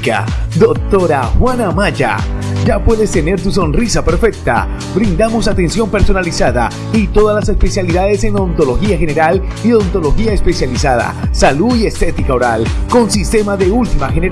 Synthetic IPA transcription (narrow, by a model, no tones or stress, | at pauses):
ka̰d̪o̞k̚t̪o̞ɾaxwanamaʝa̰d͡ʒapwe̞ðe̞st̪e̞ne̞ɾt̪us̬o̞nrisape̞ɾfe̞k̚t̪a̰ | bɾind̪amo̞sat̪e̞nsjo̞mpe̞ɾso̞nalisaða̰ | it̪o̞ðazlase̞spe̞sjaliðaðe̞se̞no̞nt̪o̞lo̞xiaxe̞ne̞ɾal | iont̪o̞lo̞xiaespe̞sjalisaða̰saluie̞st̪e̞t̪ikao̞ɾalko̞nsist̪e̞maðe̞ult̪imaxeneɾ